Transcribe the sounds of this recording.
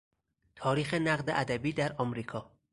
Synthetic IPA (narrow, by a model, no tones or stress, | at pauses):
t̪ʰɒːɾiːxe̞næɢd̪eʔæd̪æbiːd̪æɾɒmɾiːkʰɒː